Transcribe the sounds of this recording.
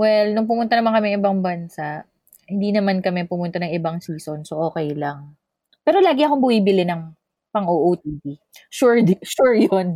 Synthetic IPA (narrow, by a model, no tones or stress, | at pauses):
wɛlnʊŋp̬ʊmʊnt̪ɐnɐmankɐmɛɐŋʔɪbaŋbɐnsaʔ | hɪnd̪iːnɐmankɐmɛpʊmʊnt̪anɐŋɪbaŋsiːso̞nsoʔo̞ːkɛjlɐŋ | pɛːɾo̞laːɡɪʔɐkombʊwibɪlɪnɐŋ | pɐŋʔoːʔowt̪̚iːdi | ʃuɹd̪ʃuɹjon